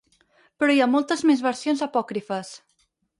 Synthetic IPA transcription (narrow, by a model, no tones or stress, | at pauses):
pɾɔjamolˠt̪əzmezβəɾsionzəpɔkɾifəs